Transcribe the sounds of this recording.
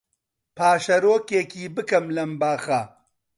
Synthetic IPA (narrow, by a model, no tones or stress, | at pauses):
pʰaːʃɐɾoːkeːkiːbɨkɐmlɐmbaːxɐ